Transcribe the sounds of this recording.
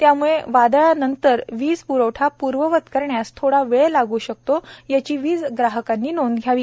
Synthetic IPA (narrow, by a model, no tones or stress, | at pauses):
t̪jamuɭeʋad̪ɭanənt̪əɾʋiːd͡zpuɾəʋʈʰapuɾʋəʋət̪kəɾɳjast̪ʰoɽaʋeɭlaɡuːɕək̚t̪ojat͡ɕiːʋiːd͡zɡɾaɦəkãnːiːnond̪ɡʱjaʋi